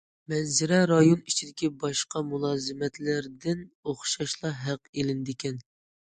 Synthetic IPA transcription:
mɛnzɪɾɛɾɑjonit͡ʃʰid̪ɪkʲibɑʃqɑmulˠɑːzɨmɛt̪lɪɾd̪ɪnoχʃɑʃlˠɑɦæqelɪnd̪ɪkʲɛn

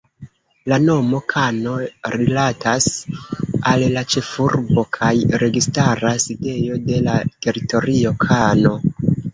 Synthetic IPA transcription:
lano̞mo̞kʰano̞ɾilatʰas | allat͡ʃe̞fuɾbo̞kʰajɾe̞ɡistaɾaside̞jo̞de̞late̞ɾito̞ɾio̞kʰano̞

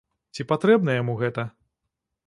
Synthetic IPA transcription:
t͡sʲipat̪ɾɛbnɐjamuɣɛt̪ɐ

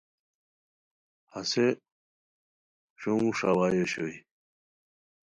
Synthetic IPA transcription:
hɐse | ɕouʂawaːjoɕoi

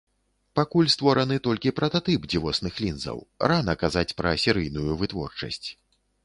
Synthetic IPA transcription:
pakulʲst̪vɔɾɐnɨt̪ɔlʲkʲipɾɐt̪at̪ɨpd͡zʲivɔsnɨxlʲinzɐ̰wranɐkazat͡sʲpɾɐsʲɛɾɨjnujuvɨt̪vɔ̰rt͡ʂɐ̰sʲt͡sʲ

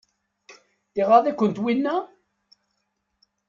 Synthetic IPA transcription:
θiʁɑðˤikʷːənt̪winːæ

